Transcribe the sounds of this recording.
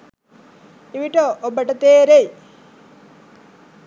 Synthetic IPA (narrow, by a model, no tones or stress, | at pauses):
iʋiʈəʔobəʈət̪eːɾej